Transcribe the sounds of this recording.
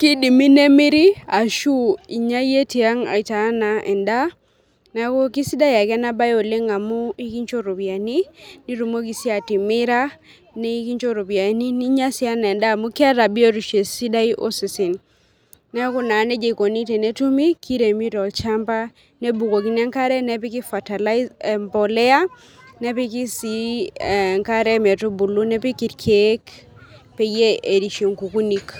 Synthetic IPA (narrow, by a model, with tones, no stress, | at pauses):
ki˦di˨mi˦ne˦mi˦ɾi˦a˨ʃu˦i˨ɲa˦je˦ti˨a˦ŋa̰˨i˨ta˨˦na˨ʔɛ̰˨nda˦ | na˦ko˦ki˦si˦da˦ja˨kɛ˦na˦ba˦jo˨le˦ŋa˨mu˦i˦ki˦ɲt͡ʃo˦ɾo˨βja˨ni˦ni˦ɾu˨mo˦ki˨sja˨ti˨mɪ˦ɾa˦ | ne˦i˦ki˦ɲt͡ʃo˦ɾo˨bja˨ni˦ni˦ɲa˦si˦a˦na˨ɛ˨nda˦˨mu˦ki˦a˦ɾa˨bi˦o˦ɾu˨ʃe˨si˦da˦i˦ʔo̰˦si˨si˨n | nɛ˦ku˦na˨nɛ˦d͡ʒe˨ko˨ni˦tɛ˨nɛ˦tu˦mi˦ki˦ɾe˨mi˦ɾɔ˨lt͡ʃa˦mba˦ | ne˦bu˨ko˨ki˦na˦ŋka˦ɾɛ˦nɛ˦pi˦ki˦fa˨ta˨lmbɔ˨lɛ˦a˦ | nɛ˦pi˦ki˦si˦˨ | ŋka˦ɾɛ˦mɛ˨tu˦bu˨lu˦nɛ˦pi˦ki˨tkʰe˦k | pe˨je˦e˨ɾi˨ʃi˨ŋku˨ku˦ni˦k